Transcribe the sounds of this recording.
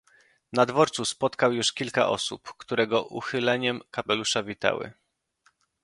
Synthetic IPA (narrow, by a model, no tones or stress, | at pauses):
nad̪vɔɾt̪suspɔt̪kawjuʂkʲilka̰ʔɔ̰sṵpkt̪uɾɛɡɔʔṵxɘlɛɲɛmkapɛluʂavʲit̪a̰wɘ̰